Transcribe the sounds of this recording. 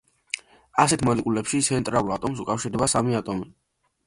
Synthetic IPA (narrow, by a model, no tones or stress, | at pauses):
asɛt̪ʰmɔnikʼulɛpʃit̪sʰɛnt̪ʼɾalˠulˠat̪ʼɔms̬ukʼafʃiɾd̪ɛbasamiat̪ʼɔmi